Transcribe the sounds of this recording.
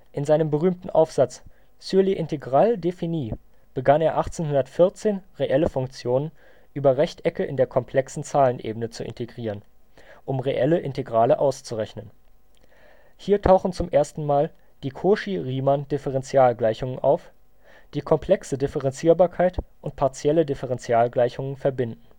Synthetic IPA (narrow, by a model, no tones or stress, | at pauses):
ʔɪnzaɪnəmbəʁyːmtn̩ʔa̰ʊfz̥at͡s | syɐliʔɪntʰeɡʁaːldefiniː | b̥əɡaneːɐʔaχt͡seːnhʊndɐtfɪɐt͡seːnʁeʔɛləfʊŋkt͡sjoːnən | ʔyːbɐʁɛçtʔɛkəʔɪ̰ndeːɐkʰɔmpʰl̥ɛksn̩t͡saːlənʔḛːbənət͡suʔɪ̰ntʰeɡʁiːʁən | ʔʊmʁeʔɛləʔɪnteɡʁaːləʔaʊst͡suʁɛçnən | hiːɐtʰaʊxn̩t͡sʊmʔeːɐstn̩maːl | d̥iːkʰoːʃiʁiːmand̥ɪfəʁɛnt͡sjaːlɡlaɪçʊŋənʔa̰ʊf | d̥iːkʰɔmpʰl̥ɛksədɪfəʁɛnt͡siːɐbaːɐkʰaɪtʔʊnt̚pʰaɐt͡sjɛlədɪfəʁɛnt͡sjaːlɡlaɪçʊŋənfɛɐbɪndn̩